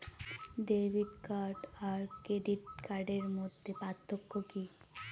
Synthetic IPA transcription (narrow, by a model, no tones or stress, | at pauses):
ɖebʱidkaɾɖaɾkeɖiʈ̪̚kaɾɖeɾmod̪ʱːepat̪ʰːokːoki